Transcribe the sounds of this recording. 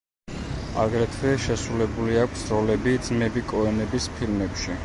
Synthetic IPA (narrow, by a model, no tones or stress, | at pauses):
a̰ɡɾɛt̪ʰvɛʃɛsɾulɛbuliakʷʰsɾɔlɛbid̪z̥mɛbikʼɔɛnɛbispʰilmɛpʃi